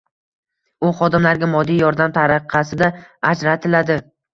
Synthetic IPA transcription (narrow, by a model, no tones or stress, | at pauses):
ʊχɒd̪ɪmlaɾɡʲamɒd̪ijɒɾd̪amt̪ʰaɾɨqʰɑsɪd̪aad͡ʒɾat̪ʰɪlad̪ɪ